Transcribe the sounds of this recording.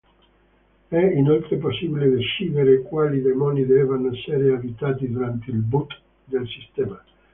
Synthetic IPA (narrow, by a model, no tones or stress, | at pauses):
ɛinolt̪ɾeposːibiled̪eʃiːveɾekwaːlid̪emɔnid̪ɛvanɛsːeɾeavit̪aːt̪id̪uɾant̪eilbut̪ | d̪elsist̪ɛːma